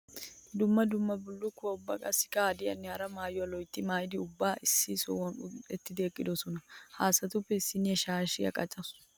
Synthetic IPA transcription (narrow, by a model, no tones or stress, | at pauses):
d̪ʊmːɐd̪ʊmːɐbʊlːʊkːʊwɐʊbːɐ̰kʼɐsɪ̥kɐd̪ɪɐ̰nːɪhɐɾɐmaːjʊɐlɔjt̪ːɪmaːjɪd̪ɪʊbːaːʔɪsːɪsɔ̰wɔnʊɛt̪ːɪd̪eːkʼːɪd̪ɔsɔnɐhaːsːɐt̪ʊpːɛɪsːɪnɪɛʃaːʃɪɐ̰kʼɐt͡ʃʼːɐs